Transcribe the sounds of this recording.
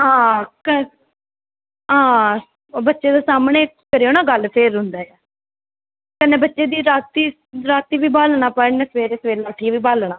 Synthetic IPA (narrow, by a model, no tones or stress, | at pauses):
ɦãːkə | ɦãː | bətːʃeːd̪eːsaːmɳeː | kəɾeoːnaːɡəlpʰeːɾʊnd̪aːjɛː | kənːeːbətːʃeːd̪iːɾaːt̪iː | ɾaːt̪iːʋiːbaːlɳaːpəneːsʋeːɾeːsʋeːlaːʈʰiːʋiːbaːlɳaː